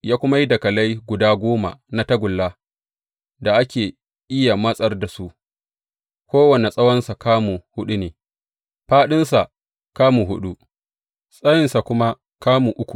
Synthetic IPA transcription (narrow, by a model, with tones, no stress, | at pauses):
jaː˦kʷʊ˦ma˦ji˦dɐ˨kɐ˨la˦jɡʷʊ˨daː˦ɡʷoː˦ma̰˨na˦tɐ˦ɡʷʊ˨lːa˦ | da˨ʔa˦kʲeː˨ | ʔɪ˦ja˨mɐ˦sʼɐ˦rda˨su˦ʔ | kʷoː˦wɐ˨ne˨sʼɐ˦wɐ˦nsa˨kaː˦mu˨hʊ˦ɗu˦neː˨ | ɸaː˦ɗɪ˦nsa˨ | kaː˦mu˨ɦʊ˦ɗu˦ | sʼɐ˦jɪ˨nsa˨kʷʊ˦ma˦ | kaː˦mu˨ʔʊ˦kʷu̥˨